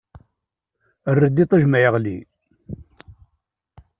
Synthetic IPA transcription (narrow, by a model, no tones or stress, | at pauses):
ərːəd̪it̪ˤəʒmæjəʁlḭ